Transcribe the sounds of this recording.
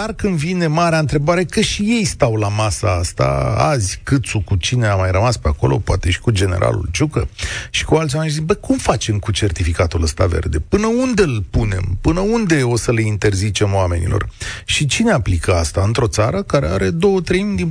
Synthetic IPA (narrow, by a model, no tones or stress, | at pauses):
d̪arkɨnd̪vine̞maɾeaɨnt̪ɾe̞baɾe̞kəʃije̞jst̪awlamasaast̪a̰a̰zʲkɨt̪sukut͡ʃine̞amajrəmaspeako̞̰lo̞̰poat̪e̞ʃi̥kud͡ʒe̞ne̞̰ɾʔa̰lṵld͡ʒukəʃi̥kualt̪sʲiameibəkumfat͡ʃe̞mkut͡ʃe̞rt̪ifikat̪uləst̪ave̞̰rd̪e̞pɨnəund̪e̞ɨlpune̞̰mpɨnəund̪e̞o̞səleint̪e̞rzit͡ʃe̞mwame̞̰nḭlʔo̞̰rʃit͡ʃine̞aplikəa̰st̪aɨnt̪ɾo̞t̪saɾəkaɾe̞a̰ɾe̞d̪o̞wət̪ɾe̞jmid̪i